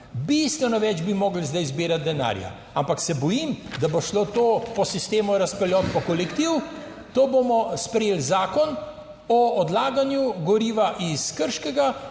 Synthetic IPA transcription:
bist̪ʋɛnɔʋɛːd͡ʒbimoːɡl̩zd̪ajzbiːɾat̪̚d̪ɛna̰ɾja̰ | ampaksɛbɔjimd̪aboʃlot̪oːpɔsist̪eːmɔɾaspɛljɔːt̪pɔkɔlɛkt̪iːw | t̪oːbomɔspɾɛjeːlzaːkɔn | ɔɔd̪laːɡanjuɡɔɾiːʋaʔiskəɾʃkɛɡa

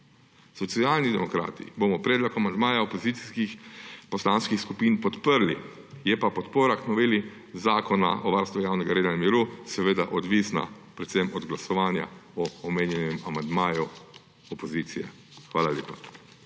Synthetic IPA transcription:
sɔt̪siaːlnid̪ɛmɔkɾa̰ːt̪ḭboːmɔpɾɛːd̪lɔkamand̪maːjaopɔziːt̪si̥skixpɔslanskixskupinpɔt̪pəɾli | jɛpapɔt̪poːɾaknɔʋeːli | zaːkɔna̰ʔɔʋaɾst̪ʋujaːwnɛɡaɾeːd̪anamiɾusɛʋeːd̪a̰ʔɔd̪ʋisna̰pɾɛt̪sɛmɔd̪ɡlasɔʋaːnja̰ɔːmeːnjɛnɛmamand̪maːju | ɔpɔzit̪sijɛ | xʋaːlaljeːpḁ

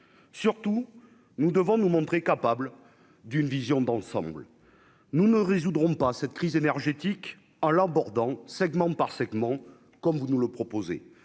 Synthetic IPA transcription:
syʁt̪u | nud̪əvɔ̃numɔ̃t̪χekapabl | d̪ynvizjɔ̃d̪ɑ̃sɑ̰̃bl | nunəʁezud̪ʁɔ̃pasɛt̪̚kχizenɛʁʒet̪ik | ɑ̃labɔʁd̪ɑ̃sɛɡmɑ̃paʁsɛɡmɑ̃ | kɔmvunuləpχɔpozḛ

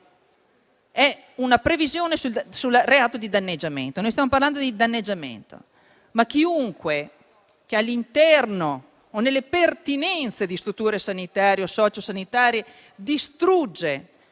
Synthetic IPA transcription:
ɛ | unapɾevizjoːnesusulreaːt̪od̪id̪anːed͡ʒːamḛnt̪onoːjst̪jamoparland̪od̪id̪anːed͡ʒːamḛnt̪o̰ | mak̟ːiuŋkwe | k̟ealːint̪ɛrnoː | nelːepert̪inɛnt̪sed̪ist̪ɾut̪ːuːɾesanit̪aːɾjeosɔːt͡ʃosanit̪aːɾje | d̪ist̪ɾud͡ʒːe

